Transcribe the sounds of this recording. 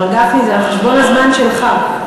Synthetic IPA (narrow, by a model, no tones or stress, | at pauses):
ɡafnizeaχeʃbonazmanʃelχa